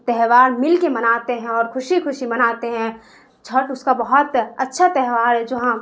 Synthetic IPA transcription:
t̪ɛɦʋaːɾmɪlkemɐnaːt̪eɦɛ̃ɔːɾkʰʊʃixʊʃimɐnaːt̪eɦɛ̃ | t͡ʃʰɐʈʊskabɐɦʊt̪ɐtːʃʰat̪ɛɦʋaːɾɦɛd͡ʒɐɦã

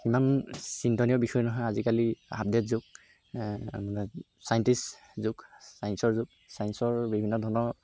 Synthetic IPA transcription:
imansintɔniɔbixɔjɛnɔɦɔjazikalia̰b̚detzʊk̚ | manɔ | sajntis | zʊksajnsɔɹzʊk̚sajnsɔɹbibʱinːɔdʱɔnɔɹ

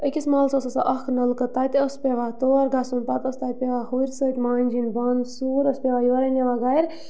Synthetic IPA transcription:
əkʲismɐlsosɐsaʔɐhkʰnɐlkət̪at̪ʲəspʲeʋat̪oːɾɡasunpɐt̪əst̪at̪̚pʲeʋahuɾʲsət̪ʲmaːnʲd͡ʒinbansuːɾəspʲeʋaːjoːɾɐnʲɐʋaɡajɾʲ

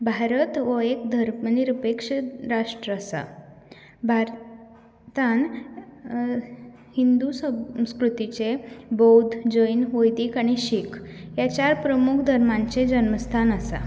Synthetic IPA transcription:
bʱaɾət̪ʋəekd̪ʱəɾmniɾəpekʂəɾaʂʈɾəsa̰ | bʱaɾ | t̪ãn | hind̪usəskɾut̪it͡ɕebəwd̪ʱd͡ʑəjnʋəjd̪iːkaɽ̃iɕikʰjat͡ɕaɾpɾəmukʰd̪ʱəɾmãɲt͡sed͡ʑənməst̪ʰanəsa̰

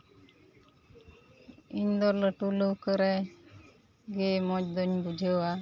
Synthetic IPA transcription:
iɲd̪ɔɾlɔʈuləwkəɾɛ | ɡemɔc̚d̪ɔɲbud͡ʒʱea

